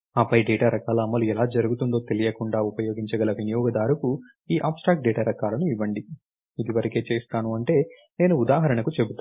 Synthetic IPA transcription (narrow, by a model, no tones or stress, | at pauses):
aːpɐjɖɛːʈaːɾɐkaːlɐːmːɐluɛlaːd͡ʒɐɾuɡut̪und̪o̞ːt̪e̞lijɐkuɳɖaːupɐjo̞ːɡiɲt͡ʃɐɡɐlɐʋinijɔːɡɐd̪aːɾuku | iːʔaːpsʈaːk̚ʈ̚ɖeːʈaːɾɐkaːlɐnuiʋːɐɳɖi | id̪iʋɐɾɐke̞ːt͡ʃe̞ːst̪aːnuɐɳʈe̞ː | ne̞ːnuːd̪aːɦɐɾɐɳɐkut͡ʃe̞but̪ː